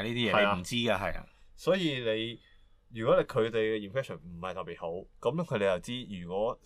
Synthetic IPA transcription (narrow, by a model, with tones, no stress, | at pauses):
niː˥t̪iː˥jɛː˨˧ɐe˨jaː˧m̩˨˩t͡siː˥ɡaː˧ɦɐ˨ja̰ː˧sɔː˨˥jiː˧le˨˧j | jyː˨kʷwɔː˨˥le˨˧jkʰɵ˨˧t̪e˨jkɛː˧iː˨nmpʰɛː˥sɔ˨˩nm̩˨˩hɐ˨jt̪ɐ˨tpːiː˨˩t̚ho˨˥wkɐ˨˥mkʰɵ˨˧t̪e˨˧jɐ˨wt͡siː˥jyː˨˩kʷɔː˨˥